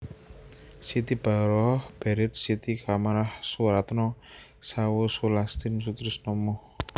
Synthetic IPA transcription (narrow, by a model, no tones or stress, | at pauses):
sit̪ib̥a̤ɾɔhb̥ɛɾɛt̪̚sit̪ikamaɾahsuɾat̪nɔ | sawosulast̪insut̪ɾɪsnɔmɔh